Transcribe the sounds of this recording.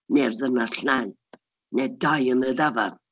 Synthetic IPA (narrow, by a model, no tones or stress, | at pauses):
nɛrðənaɬnaj | nɛdajənðədava̰r